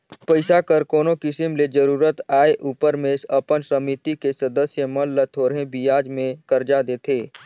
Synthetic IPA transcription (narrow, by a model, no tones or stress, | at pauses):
pəɪsakəɾkoːnokɪsimled͡ʒəɾuːɾət̪aːeʔuːpəɾmẽsɐpənsəmit̪ikesəd̪əsjəməlːət̪ʰoːɾɦẽbijaːd͡ʒmẽkəɾd͡ʒad̪eːt̪ʰeː